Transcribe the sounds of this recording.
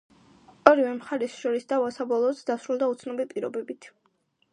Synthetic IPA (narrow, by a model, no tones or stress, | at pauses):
ɔɾivɛmχaɾɛsʃɔɾisd̪avasabɔlˠɔːt̪sd̪asɾulˠd̪aut̪sʰnɔbipʼiɾɔbɛbit̪ʰ